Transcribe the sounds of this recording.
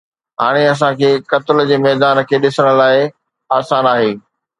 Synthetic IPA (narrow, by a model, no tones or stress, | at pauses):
ɦa̰ːɽ̃eɐs̬ãkʰeːkɐt̪ɪld͡ʑeːmɛːd̪aːnkʰeːɗɪsəɽ̃ʊ̆laːɪ | aːsaːnaːɦeː